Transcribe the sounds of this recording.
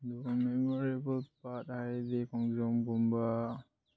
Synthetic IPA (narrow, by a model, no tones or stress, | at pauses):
domɛmɔɾebəlpathadekɔŋd͡ʒɔmɡumba